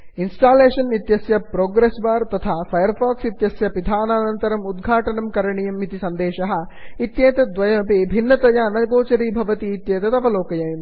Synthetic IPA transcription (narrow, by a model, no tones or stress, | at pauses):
insʈaːleːʂɐnit̪jɐsjɐpɾoːɡɾesbaːɾt̪ɐt̪ʰaːpʰɐjɐɾpʰaːksit̪jɐsjɐpid̪ʱaːnaːnɐnt̪ɐɾɐmud̪ɡʱaːʈɐnɐmkɐɾɐɳijɐmːit̪isɐnd̪eːʃɐɦɐ̆ | it̪jeːt̪ɐd̪ʋɐjɐpibʱinːɐt̪ɐjɐːnɐɡoːt͡ʃɐɾiːbʱɐʋɐt̪iːt̪jeːt̪ɐt̪ɐʋɐloːkɐjɐjɐm